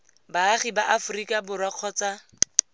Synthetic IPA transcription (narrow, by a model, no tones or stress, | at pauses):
baːχibaʔafʊrikʼabʊrwaq͡χʰɔːt͡sa